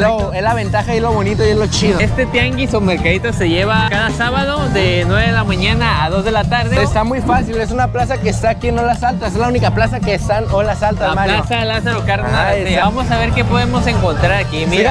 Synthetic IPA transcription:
loezlaβ̞e̞nt̪axaiezlo̞βo̞nit̪ojezlo̞t͡ʃiðoest̪e̞t̪jaŋɡisumeɾkaðit̪ose̞ʝeβakaðasaβaðo̞ðenwe̞βeðelamãɲanaaðo̞zðe̞lat̪aɾðeest̪amujfasile̞s̬unaplas̬akeːst̪aːkienːolasalt̪asezlaunikaplasakeːst̪anolasalt̪amalaosaðelas̬aɾokaɾnajebamosaβe̞ɾke̞po̞ðe̞mo̞se̞ŋko̞nt̪ɾaɾakimiiɾa

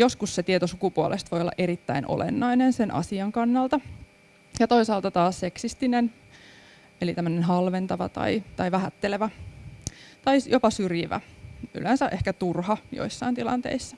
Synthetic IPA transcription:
jo̞skusset̪iet̪osukupuolʔest̪ʋo̞jolːɑ̰ʔe̞ɾit̪ːæinʔo̰lḛnːɑinensenʔɑ̰siɑŋkɑnːɑlt̪ɑ | jɑt̪o̞isɑːlt̪ɑt̪ɑːsseksist̪inen | elit̪æmːənenɦɑlʋent̪ɑʋɑ̰t̪ɑ̰it̪ɑiʋæɦæt̪ːeleʋæ | t̪ɑijopɑsyrjiʋæ̰ʔy̰lensæʔehkæt̪urhɑjo̰isːɑint̪ilɑ̰nt̪ḛisːɑ̥

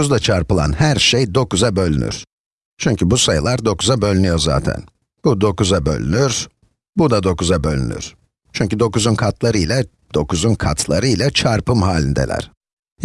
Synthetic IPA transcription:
uzd̪at͡ʃʰaɾpɯlˠa̰nhæɾʃejd̪o̞kuzabø̞lʲyny̰ɾ̥ | t͡ʃʰyɲcʰybusajɯlˠaɾd̪o̞kuzabø̞lʲynyjo̞ɾza̰ːt̪ʰæ̰n | b̥ud̪o̞kuzabø̰lʲy̰nyɾ | bud̪ad̪o̞kuzabø̞lʲy̰ny̰ɾ̥ | t͡ʃʰyɲcyd̪o̞kuzunkʰat̪ʰlˠaɾɯjlʲɛ | d̪̥o̞kuzunkʰat̪ʰlˠaɾɯilʲat͡ʃʰaɾpɯmɦaːlʲind̪ɛ̰lʲæ̰ɾ̥

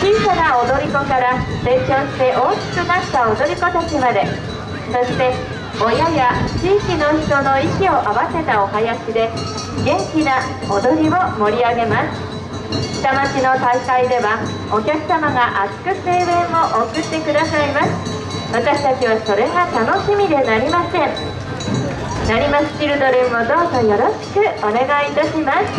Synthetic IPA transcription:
t͡ɕiːsanaod̪o̞ɾʲiko̞kaɾase̞ːt͡ɕõ̞ːɕi̥t̪e̞ʔoːki̥kɯ̟nat̪ːao̞d̪o̞ɾʲiko̞t̪at͡ɕimad̪e̞ | so̞ɕi̥t̪e̞ | o̞jajat͡ɕiːkʲino̞çi̥t̪o̞no̞ikʲio̞ʔaβase̞t̪ao̞hajaɕid̪e̞ | ɡẽ̞ŋkʲina | od̪o̞ɾʲiβo̞mo̞ɾʲiaɡe̞masɨ̥ | ɕi̥t̪amat͡ɕino̞t̪aikaid̪e̞βa | o̞kʲakɯ̟̥samaɡaʔat͡sɨ̥kɯ̟se̞ːβẽ̞o̞ʔokɯ̟t̪ːe̞kɯ̟d̪asaimasɨ̥ | βat̪aɕi̥t̪at͡ɕiβaso̞ɾe̞ɡat̪ano̞ɕimʲid̪e̞naɾʲimasẽ̞ɴ | naɾʲimaɕi̥t̪iɾɯ̟d̪oɾeɯmod̪o̞ːzo̞jo̞ɾo̞ɕi̥kɯ̟one̞ɡait̪aɕimasɨ̥

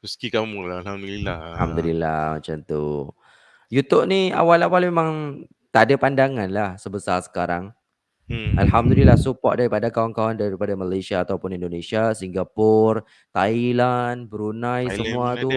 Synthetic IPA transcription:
məst̪ikamuŋlalhamd̪ulilaahamd̪ulila̰ma̰t͡ʃamt̪ṵ | jut̪ʊʔ̚nia̰walawalmemãŋ | t̪adapandaŋanlahsəbəsarsə̥kaɾaŋ̩ | a̰lɦamd̪ulilːahsupɔʔ̚daɾipadakawaŋkawandaɾipadamalasiaːt̪awpʊnindonesiasiŋɡapʊr | t̪ailanbəɾunãjsəmũat̪u

